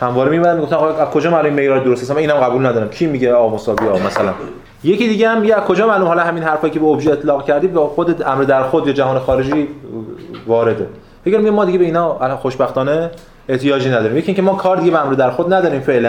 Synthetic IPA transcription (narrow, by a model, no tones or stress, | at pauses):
hæmvɒːɾemimænænmiɡoft̪æmɑɣæzkʰo̞d͡ʒɒːmæɾnomimejɾɒːɾid̪oost̪æsæmæniːnhæmɢæbuːlnæd̪ɒːɾæmcʰiːmiɟeɒːmosɒːbiɒːmæsælæn | je̞ciːd̪iːɡʲeæmːiɟeæz̥kʰo̞d͡ʒɒːmænomhɒlɒhæminhæɾfɒːjicʰebeobʒiet̪ʰlɒːɣcʰæɾd̪iːd̪væxod̪eæmɾed̪æɾxod̪jɒːd͡ʒæɦɒːnexɒːɾe̞d͡ʒiː | vɒːɾe̞d̪e | feɡæɾmiɡæmːɒːd̪iɟebe̞iːnɒːæxoʃbæxt̪ɒːne | eʔt̪ʰijɒːd͡ʒiːnæd̪ɒːɾimjeiŋcʰemɒːkʰɒːɾd̪iɡʲɟebeæmɾed̪æɾxod̪næd̪ɒːɾiːmfe̞ʔlæ